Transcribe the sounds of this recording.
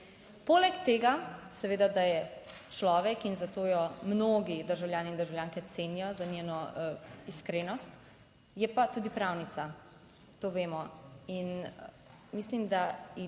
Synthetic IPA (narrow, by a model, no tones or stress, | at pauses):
poːlɛkt̪eːɡasɛʋeːd̪ad̪ajɛ | t͡ʃlɔːʋɛkinzat̪oːjɔmnoːɡid̪əɾʒawljaːniːnd̪əɾʒawljaːŋkɛt̪seːnijɔzaneːnɔiskɾeːnɔst̪ | jɛpat̪ud̪ipɾawnit̪sa | t̪oːʋeːmɔin | mislimd̪ai